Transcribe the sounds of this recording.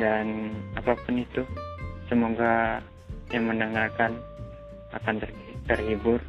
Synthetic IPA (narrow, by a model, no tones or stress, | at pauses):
danapapʊnit̪usəmoɡa | jaŋmənaŋalkan | a̰kan | t̪ərhibʊr